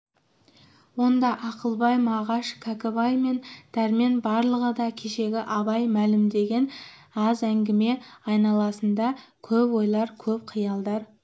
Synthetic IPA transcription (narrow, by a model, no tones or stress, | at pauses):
wo̞nd̪ɑʔɑqəlˠbɑjmɑʁɑʃkʰækʲɪbɑjme̞nd̪̥æɾme̞nbɑɾlˠəʁəd̪ɑkʲʰe̞ʃe̞ɡʲɪʔɑbɑjmælɪmd̪e̞ɡʲe̞n | ɑzæŋɡʲɪme̞ɑjnɑlˠɑsənd̪ɑkʲʰɵpwo̞jlˠɑɾkʲʰɵp̚qʰijɑlˠd̪ɑɾ